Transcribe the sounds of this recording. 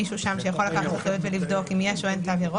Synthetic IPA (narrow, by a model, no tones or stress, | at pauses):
iʃuʃamʃejaχo̞lakaχat̪aχajut̪velivdo̞kimjeaʃoentaveʁo